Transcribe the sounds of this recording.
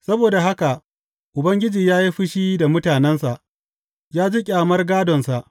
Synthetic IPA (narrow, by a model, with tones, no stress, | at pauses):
sɐ˦boː˨da˨ɦa˦ka˨ʔ | ʔʊ˨bɐ˦ŋɡʲɪ˦d͡ʒiː˨jaː˦ji˦ɸɪ˦ʃiː˦da˨mʊ˦taː˨nɛ˦nsa˨ʔ | jaː˦d͡ʒiː˦kʲʼaː˨mɐ˦rɡaː˦dɔ˨nsa˨ʔ